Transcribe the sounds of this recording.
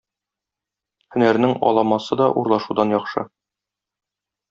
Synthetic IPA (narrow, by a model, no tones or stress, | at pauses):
hɵ̆næɾnɘŋɒ̰lˠɑmɑsɤd̪ɒʔuɾlˠɑʃud̪ɑnjɒχʃɤ̰